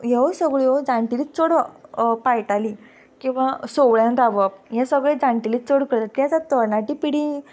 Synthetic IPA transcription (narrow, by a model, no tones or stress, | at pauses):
ɦeʋosəɡɭjod͡zãɳʈilitt͡soɽpajʈali | kĩw̃ʋasoʋɭjãnd̪aʋəpjãsəɡɭed͡zãɳʈilit͡st͡soɽkəɾt̪at̪jãd͡zat̪ənaʈipiɽi